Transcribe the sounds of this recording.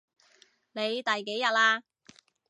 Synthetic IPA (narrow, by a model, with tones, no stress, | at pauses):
ne˨˧jt̪ɐ˨jke˨˥jɐ˨t̚laː˧